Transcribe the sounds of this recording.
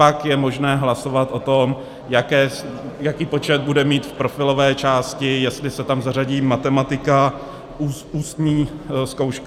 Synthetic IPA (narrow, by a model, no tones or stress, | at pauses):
pakjɛmo̞ʒnɛːɦlaso̞vat̪ʔo̞t̪o̞m | jakɛː | jakiːpo̞t͡ʃɛd̪̚budɛmiːt̪fpɾo̞fɪlo̞vɛːt͡ʃaːscɪjɛst̪lɪsɛt̪amzaraɟiːmat̪ɛmat̪ɪka | uːsuːst̪ɲiːsko̞wʃk